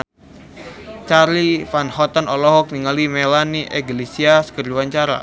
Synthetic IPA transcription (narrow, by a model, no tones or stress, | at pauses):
t͡ʃarlifanhɔt̪ənɔlɔɦɔk̚niŋalimelaniʔeɡlesiaskərd͡ʒuwaɲt͡ʃaɾa̰